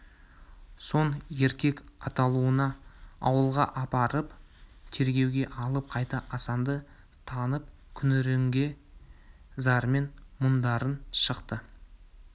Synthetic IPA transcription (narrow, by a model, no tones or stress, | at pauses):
so̞ne̞ɾkʲe̞kɑt̪ɑlˠuənɑɑwəlˠʁɑ̰ʔɑpɑɾəp | t̪ʰe̞ɾɡʲe̞wɡʲe̞ʔɑlˠəp̚qʰɑjt̪ɑʔɑsɑnd̪ə | t̪ʰɑnəp̚ | kʲʰʏnɾeŋɡʲe̞ | zɑɾme̞nmʊnd̪ɑɾənʃəqt̪ə